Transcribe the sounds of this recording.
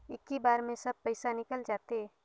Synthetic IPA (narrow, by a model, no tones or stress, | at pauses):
ɪkːibaːɾmẽsɐb̚pɐɪsanɪkəld͡ʒaːt̪eɛ